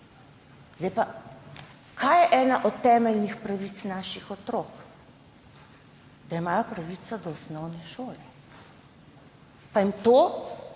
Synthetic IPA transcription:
zd̪ajpa | kʰajjɛʔɛːnaʔɔt̪t̪ːɛːmɛlnixpɾɐʋiːt̪snaːʃixɔt̪ɾoːk | d̪aimaːjɔpɾɐʋit̪sɔd̪ɔɔsnɔwnɛʃoːlɛ | paimt̪oː

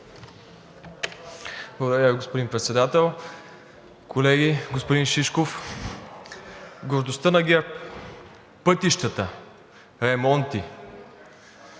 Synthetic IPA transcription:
blˠəɡod̪əɾʲjaviɡospod̪inpɾɛt̪sɛd̪at̪ɛlˠ | kʰolɛɡʲiɡospod̪inʃiʃkof | ɡoɾd̪ost̪ənɐɡʲɛɾ | pɤt̪iʃt̪ət̪ə | ɾɛmɔnt̪i

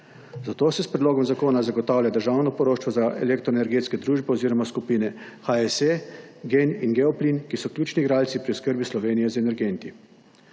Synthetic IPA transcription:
zat̪oːsɛspɾɛd̪loːɡɔmzakoːnazaɡɔt̪aːwljad̪əɾʒawnɔpɔɾoːʃt͡ʃʋɔzaʔɛ̰lekt̪ɾɔenɛɾɡeːt̪skɛd̪ɾuːʒbɛoziːɾɔmaskupiːnɛxaɛseɡeninɡɛɔpliːnkisɔkljuːt͡ʃniɡɾaːlt̪sipɾiʊskəɾbislɔʋeːnijɛzɛnɛɾɡent̪i

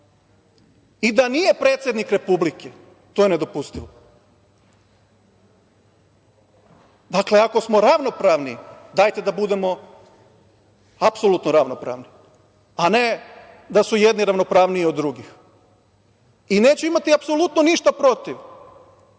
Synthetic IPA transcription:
id̪anije̞pɾe̞ːt̪sje̞d̪nikɾe̞publike | t̪ojene̞d̪o̞pust̪iʋo | d̪akle̞ako̞smo̞ɾaʋno̞pɾaʋnid̪aːjt̪e̞d̪abud̪e̞mo̞ | apso̞lˠut̪noɾaʋnopɾa̰ːʋni | ane̞ | d̪asujed̪niɾaʋno̞pɾaːʋniiod̪ːɾuɡix | ine̞ːt͡ɕuimat̪iapso̞lut̪noniʃt̪apɾo̞t̪iʋ

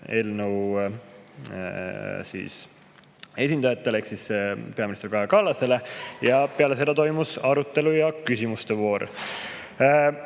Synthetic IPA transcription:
e̞lnəw | sḭːs | e̞sʲind̪ɑjɑt̪ːe̞leksisepe̞ɑminist̪erkɑjɑkɑlːɑse̞lejɑpe̞ɑlese̞d̪ɑt̪o̞jmusɑɾut̪ːˑe̞lujɑkysʲimust̪evo̞ːɾ

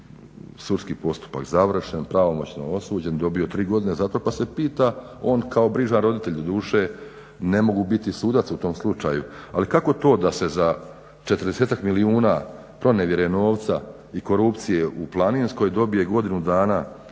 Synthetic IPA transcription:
suɾskiːpo̞st̪u̥pa̰kzaʋr̩ʃenpɾaʋo̞mo̞t͡ɕno̰o̞suːd͡ʑe̞nd̪o̞bio̞t̪ɾiːɡo̞d̪ine̞zat̪o̞pase̞piːt̪a | o̞ːnkao̞bɾiʒanɾo̞d̪it̪e̞ʎd̪od̪uːʃe̞ | ne̞mo̞ɡubit̪isuːd̪at̪sut̪o̞mslˠut͡ʃajualikako̞t̪o̞ːd̪ase̞za | t͡ʃe̞t̪rd̪eseːt̪akmiliuːna | pɾo̞neʋje̞ɾeno̞ːʋt̪sa | iko̞ɾupt̪sijeʔuplˠaniːnsko̞jd̪o̞bije̞ɡo̞d̪inud̪aːna

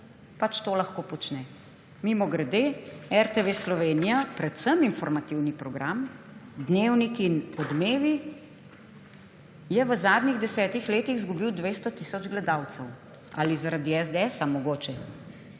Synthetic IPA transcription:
pat͡ʃt̪oːlaxkoːpɔt͡ʃnɛ | mimɔɡɾɛd̪eɛɾt̪eʋeslɔʋeːnijapɾɛt̪səminfɔɾmat̪iwnipɾɔɡɾʔam | d̪newnikinɔd̪meːʋi | jɛʋəzaːd̪niɣd̪ɛsɛːt̪ixleːt̪iɣzɡubiwd̪ʋeːst̪ɔt̪isɔd͡ʒɡlɛd̪awt̪sɛw | a̰lizaɾad̪iɛzd̪eɛsamɔɡoːt͡ʃɛ

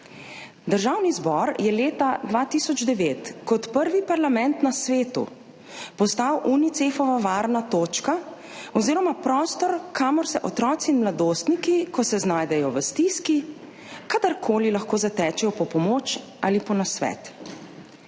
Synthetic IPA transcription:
d̪əɾʒawnizbɔɾjɛleːt̪ad̪ʋaːt̪isɔd͡ʒd̪ɛʋeːt̪kɔt̪pəɾʋipaɾlamɛnt̪nasʋeːt̪ṵ | pɔst̪awʔunit̪sefɔʋaʋaːɾnat̪oːt͡ʃka | ɔziːɾɔmapɾɔːst̪ɔɾkʰaːmɔɾsɛʔɔt̪ɾɔːt̪siːnmlad̪oːst̪nikikɔsɛznaːjd̪ɛjɔʋəst̪iski | kad̪aɾkʰoːlilaxkoːzat̪ɛːt͡ʃɛjɔpɔpɔmoːt͡ʃ | ʔalipɔnasʋɛ̰t̪

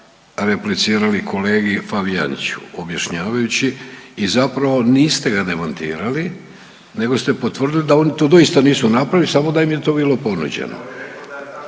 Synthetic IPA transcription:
ɾe̞plit̪siːɾalikʰo̞le̞ːɡifaʋija̰nḭt͡ɕu̥̰objaʃɲaːʋajut͡ɕiːzapɾaʋo̞niːst̪e̞ɡad̪e̞mant̪ḭːɾali | ne̞ɡo̞st̪e̞po̞t̪ʋr̩d̪ilid̪ao̞nit̪o̞d̪o̞ist̪aniːsunapɾaʋilisamo̞d̪aimjet̪o̞ːbiːlo̞po̞nṵd͡ʑḛno̰

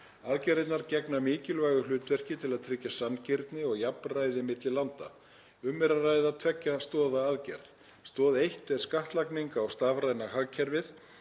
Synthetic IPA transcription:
aðcɛɾðɪt̪naɾcɛknamɪːcɪlvaːjɣʏlʏːt̪vɛr̥cɪt̪ʰɪlaðt̪ʰɾɪcːasancɪɾt̪nɪɔɣjapnraːjðɪmɪt̪lɪlant̪a̰ | ʏmːɛɾaraːjðat̪ʰvɛcːast̪ɔːðaaðcɛ̰ɾθ | st̪ɔːðejht̪ɛɾ̥skaht̪lakniŋkawst̪aːvrajnahaɣcʰɛɾvɪθ

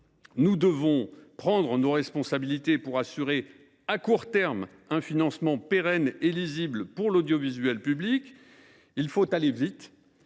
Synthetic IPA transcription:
nud̪əvɔ̃pχɑ̃d̪ʁənoʁɛspɔ̃sabilit̪epuʁasyʁe | akuʁt̪ɛʁm | ɛ̃finɑ̃smɑ̃peʁɛneliziblpuʁlod̪jɔvizɥɛlpyblikʲ | ilfot̪alevit̪

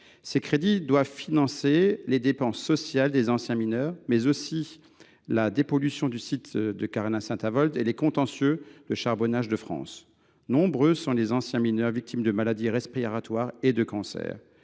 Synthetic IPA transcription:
sekχed̪id̪wavfinɑ̃seled̪epɑ̃sːɔsjald̪ezɑ̃sjɛ̃minœʁmɛzosi | lad̪epɔlysjɔ̃d̪ysit̪d̪əkaʁanãsɛ̃t̪avɔlt̪elekɔ̃t̪ɑ̃sjød̪əʃaʁbɔnaʒd̪əfχɑ̰̃s | nɔ̃bʁøsɔ̃lezɑ̃sjɛ̃minœʁvik̚t̪ʰimd̪əmalad̪iʁɛspiʁat̪waʁed̪əkɑ̃sɛ̰ːʁ

